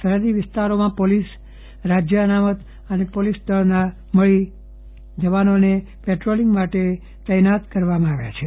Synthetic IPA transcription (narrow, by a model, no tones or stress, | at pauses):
sʰəɾəd̪iʋɪst̪aɾomãpolis | ɾad͡ʒjəənamət̪ | ənepolisd̪əɾna | məɭi | d͡ʒəʋanone | peʈɾoliŋɡmaʈe | t̪əjnat̪kəɾʋamãaʋja̰t͡ʃʰe